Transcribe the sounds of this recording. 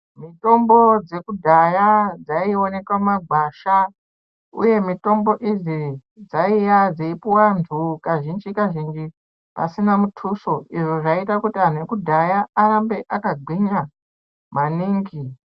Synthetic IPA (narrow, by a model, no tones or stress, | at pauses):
mito̞mbo̞d͡ze̞kudʱajad͡zaio̞ne̞kwamaɡʱaʃa | ṵje̞mito̞mbo̞ʔizid͡zaijad͡zeipuwantʰukaʒind͡ʒikaʒind͡ʒi | pa̰sinamutʰuso̞iʐoʐaitakutian̤uwekudʱajaːɾambe̞ʔakaɡʱwiɲa | maniːŋɡi